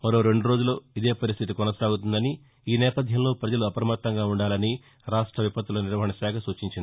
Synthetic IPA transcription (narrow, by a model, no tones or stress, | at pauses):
mɐɾoːɾe̞ɳɖuɾo̞ːd͡ʒulo̞ːid̪e̞ːpɐɾis̬t̪ʰit̪ikɔnɐsaːɡut̪und̪ɐni | iːnɛːpɐd̪ʱjɐmlo̞ːpɾɐd͡ʒɐluɐpɐɾɐmɐt̪ːɐŋɡaːuɳɖaːlɐni | ɾaːʂʈɾɐʋipɐt̪ːulɐniɾʋɐɦɐɳɐʃaːkʰɐsuːt͡ʃiɲt͡ʃind̪i